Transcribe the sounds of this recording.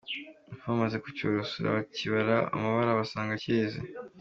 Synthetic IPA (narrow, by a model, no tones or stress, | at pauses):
famazeku̥coɾosoɾa̰βaciβaɾaa̰maβaɾaβasaːŋɡaceːzḛ